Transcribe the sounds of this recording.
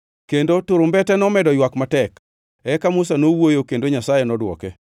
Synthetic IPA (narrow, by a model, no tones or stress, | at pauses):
kendotʊɾʊmbɛtɛnɔmɛdɔjwakmatɛk | ɛkamʊsanowojokendoɲasajenɔdwɔ̰kɛ